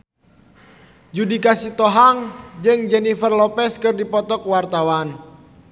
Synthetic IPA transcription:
d͡ʒudikasit̪ɔɦaŋd͡ʒɨŋd͡ʒɛnifərlɔpɛskɨrdipɔt̪ɔk̚wart̪awan

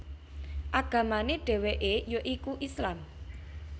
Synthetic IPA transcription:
ʔaɡ̥a̤maneɖ̥ɛ̤weʔejoʔikuʔislam

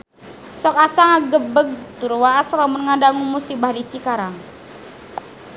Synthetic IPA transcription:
sɔkasaŋaɡəbəɡ̚t̪uɾwaaslamʊnŋadaŋumusibahlit͡ʃikaɾaŋ

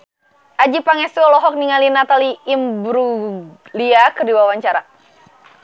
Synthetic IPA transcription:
ʔad͡ʒipaŋɛsiɔlɔɦɔk̚niŋalinat̪aliːmbɾuliakərdiwawaɲt͡ʃaɾa

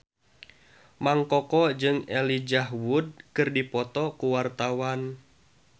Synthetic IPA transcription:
maŋkɔkɔd͡ʒɨŋɛlid͡ʒaɦwud̚kɨrdipɔt̪ɔkuwart̪awan

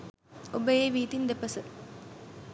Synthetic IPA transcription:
obəjeːʋiːt̪ind̪epəsə

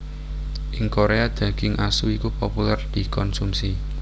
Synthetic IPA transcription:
ʔɪŋkoɾead̪̥ä̤ɡ̥ɪŋʔasuikupopulɛrd̪̥i̤kɔnsumsi

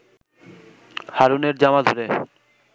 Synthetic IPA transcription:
haɾuneɾd͡ʑamad̪ʱoɾe

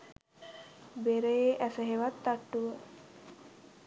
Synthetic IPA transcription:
beɾəjeʔæsəɦeʋat̪ːaʈːuʋə

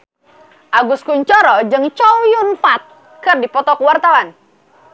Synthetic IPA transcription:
ʔaɡʊskuɲt͡ʃɔɾɔd͡ʒɨŋt͡ʃɔwjunfat̪̚ | kɨrdipɔt̪ɔkuwart̪awan

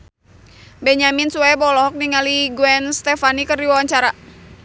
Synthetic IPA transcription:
bɛɲaminsuabɔlɔɦɔk̚niŋaliɡuɛnst̪ɛfanikɨrdiwawaɲt͡ʃaɾa

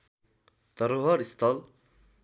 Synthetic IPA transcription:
t̪ʌɾoɦʌɾist̪ʰʌl

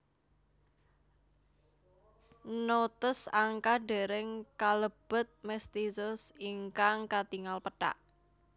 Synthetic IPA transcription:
not̪əsaŋkaɖe̤ɾɪŋkaləb̥ə̤t̪̚mɛst̪izʊsiŋkaŋkat̪iŋalpəʈa̰ʔ

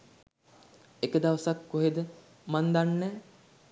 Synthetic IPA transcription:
ekəd̪aʋəsakːoɦed̪ə | mand̪anːɛː

